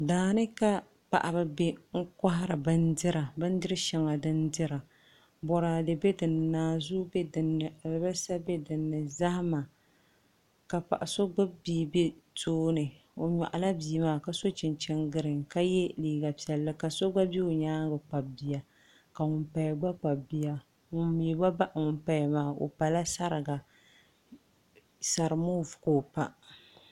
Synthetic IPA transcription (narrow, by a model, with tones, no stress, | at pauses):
daː˨nɨ˦ka˦ | pa̰˨ʔa˨ba˨be˦ŋ̩˦ka˦ɦa˦ɾɨ˨bɨ˦ndɨ˦ɾa˨bɨ˦n˦dɨ˦ɾɨ˦ʃɛ˨ŋa˨dɨ˦ndɪ˦ɾa˨ | bɔ˨ɾa˨dɨ˨bɛ˦dɨ˨nːɨ˨naː˨zu˦bɛ˦dn˨˦ba˦sa˦bɛ˦dɨ˨nːɨ˨za˦hma˨ | ka˨pa̰˨ʔa˨so˦ɡ͡ba˦biː˦be˦tʰoː˦nɨ˨ | o˨ɲa̰˨ʔa˨la˦biː˨˦maː˦ka˨so˦t͡ʃɪ˨nt͡ʃɛ˦ŋɡɨ˦ɾɨ˨ŋka˦jɛ˦liː˨˦ɡa˨pi˨ɛ˨lːɨ˦ka˨so˦ɡ͡ba˦bi˦o˨ɲaː˦ŋ˦ɡɨ˨k͡pa˨b̚bi˦ja˨ | ka˨ŋʊ˨mpa˨jɡ͡ba˦k͡pa˨bbi˦ja˦ | ŋʊ˨mjɛ˨ba˦ba˦ʔŋʊ˨mpa˨jmaː˨˦˨o̰˨pa˨la˦sa˦ɾɨ˨ɡa˨ | sa˨ɾɨ˨mo˦vʊ˨ko˨pa˦